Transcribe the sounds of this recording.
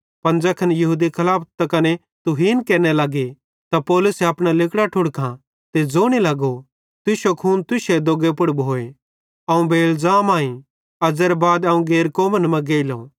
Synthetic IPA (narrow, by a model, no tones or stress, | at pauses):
pɐnd͡ʒɐkʰɐnjɐɦuːd̪ikʰɐlaːpʰt̪ɐkɐne | t̪ʊɦiːnkɛːnelɐɡe | t̪apɔːlʊsɛɐpɽ̃alɪkɽaʈʰʊɽkʰã | t̪ed͡zoːɽ̃ilɐɡo | t̪ʊʃokʰuːnt̪ʊʃed̪oːɡepʊɽbɦoːe | ɐũbeːlzaːmãːĩ | ɐd͡zɛɾbaːd̪ɐũɡeːɾkoːmənmɐ̃ɡeːɪlõ̰ː